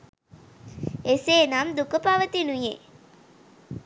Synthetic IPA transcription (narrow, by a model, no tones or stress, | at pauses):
eseːnamd̪ukəpaʋət̪inuje